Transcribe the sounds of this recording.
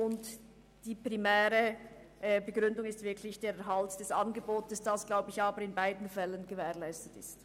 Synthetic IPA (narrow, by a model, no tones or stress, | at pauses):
ʊnt | d̥iːpʁ̥imɛːʁə | ʔbəɡʁʏndʊŋɪstv̥ɪɐkʰlɪçd̥eːɐɛɐɦaltd̥ɛsʔɑnɡəboːtəsd̥asɡ̥laʊbəɪçaːbəɾɪnbaɪdn̩fɛlənɡəvɛːɐlaɪstətɪst